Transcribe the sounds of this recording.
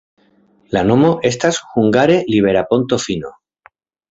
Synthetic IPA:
lanomoʔest̪asxuŋɡaɾeliβ̞eɾapont̪ofino

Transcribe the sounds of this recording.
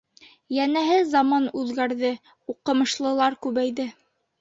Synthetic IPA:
jænæɦɘzɑmɑnʉðɡæɾðɘ | uqɤ̆mɤ̆ʃlˠɤ̆lˠɑɾkʉβæjðɘ

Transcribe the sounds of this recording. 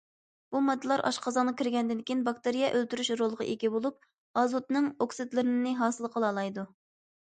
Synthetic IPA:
b̥umɑd̪ːɨlˠɑɾʔɑ̰ʃqʰɑzɑːnɑkʲiɾɡʲɛnd̪ɪnkʲijinbɑk̚t̪eɾijɛʔølt̪yɾyʃɾolˠʁɑ̰ʔeɡʲibolˠup̚ | ɑzot̪̚nɨŋoksɨd̪lɨɾɪnɨnɨɦɑːsɨlˠqʰəlˠɑːlˠɑjd̪u

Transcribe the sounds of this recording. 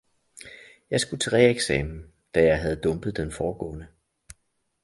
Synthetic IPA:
jɑ̈ɪsɡ̥ut͡sʰʁɛ̰eɡ̥sɛ̰ːmn̩ | d̥æjɑ̈ɪɦæð̞ˠd̥ɔ̽mb̥ð̞̩ˠd̥enfɒːɡ̥ɔ̰̽ːnə

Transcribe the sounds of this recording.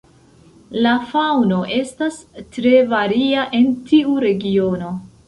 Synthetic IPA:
lafawno̞ʔe̞stastɾe̞vaɾiaʔe̞ntʰiuɾe̞ɡio̞no̞

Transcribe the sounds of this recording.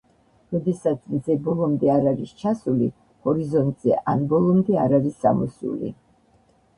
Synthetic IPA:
ɾɔd̪ɛsat̪sʰnd̪zɛbɔlˠɔmd̪ɛaɾaɾist͡ʃʰasuli | hɔɾizɔnt̪ʼz̥ɛ̰ʔanbɔlˠɔmd̪ɛaɾaɾisːa̰mɔsṵlḭ

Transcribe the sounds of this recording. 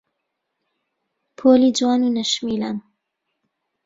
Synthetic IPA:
pʰoːliːd͡ʒwaːnunɐʃmilaːn

